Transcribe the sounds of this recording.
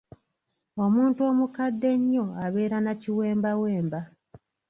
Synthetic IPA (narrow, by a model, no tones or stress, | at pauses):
o̞muːntuo̞ːmukadːe̞ɲːo̞aβe̞ːɾanaciwe̞ːmbawe̞ːmba